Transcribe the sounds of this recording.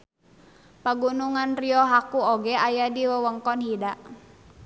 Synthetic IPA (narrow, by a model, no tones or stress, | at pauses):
paɡunuŋanriɔɦakuoɡɛʔajadiwəwəŋkɔnhidaʔ